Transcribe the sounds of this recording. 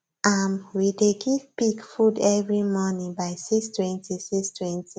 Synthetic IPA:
amwideɡivpikfudɛvɹimɔnĩŋbaɪsikstwɛ̃ntisikstʰwɛ̃nti

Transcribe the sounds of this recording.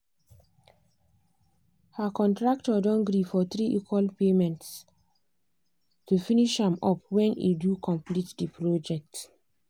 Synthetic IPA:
hakɔ̃ntɹaktɔdɔ̃nɡɾifɔt̪ɹiʔikwalpemɛ̃nts | tufiniʃhãmɔpwɛ̃nḭdukʰɔ̃mplitdipɹod͡ʒɛk̚t

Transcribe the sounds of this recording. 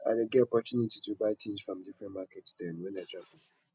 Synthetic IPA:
adɛɡeɔpɔt͡ʃunititubat͡ʃʰẽnd͡ʒfɹɔ̃mdifɹɛ̃nmakʰɛtsdɛ̃nwɛ̃naɪdɹavĩn

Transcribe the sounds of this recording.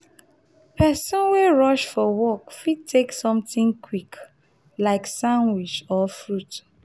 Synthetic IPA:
pʰɛsɔ̃nweɹɔʃfɔwɔkfid̚tʰeksɔ̃mtĩŋkʰwik | laɪksãnwit͡ʃɔfɹut

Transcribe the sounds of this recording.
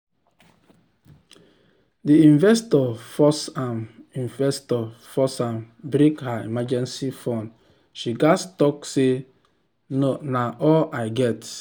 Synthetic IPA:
diĩɱvɛstɔfɔsãmĩnvɛstɔfɔsãm | bɾikhaḭmad͡ʒɛ̃nsifɔ̃n | ʃiɡastɔkse | nonaʔɔlaɪɡɛt

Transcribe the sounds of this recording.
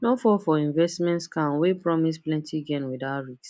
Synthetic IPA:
nofɔfɔĩɱvɛstmɛ̃ntskãnwepɹɔmisplɛ̃ntʰiɡɛ̃nwidaɹits

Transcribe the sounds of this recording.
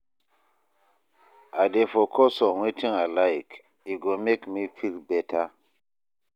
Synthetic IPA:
adefɔkʰɔsɔwetʰĩŋalajk | iɡomekmifilbɛtʰa

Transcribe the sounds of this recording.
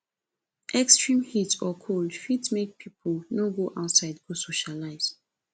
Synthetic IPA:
ʔɛkstɹĩmhitɔkʰoldfitmek̚pʰipʰolnoɡoʔaʊtsaɪdɡosoʃalaɪz

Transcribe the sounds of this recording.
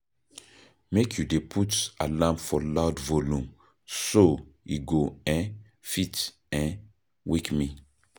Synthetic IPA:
mekʰjudepʰutalãmpfɔlaʊdvolũm | soiɡoɛ̃n | fit | ɛ̃n | wikmĩ

